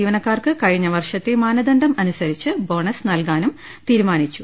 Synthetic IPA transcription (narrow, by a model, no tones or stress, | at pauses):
iːʋɐnɐkːaːrkɨkɐɻiɲːɐʋɐrʂɐt̪ːemaːnɐd̪ɐnɖɐmɐnusɐɾit͡ɕːɨbo̞ɳɐsnɐlkaːnum | t̪iːɾumaːnit͡ɕːu̥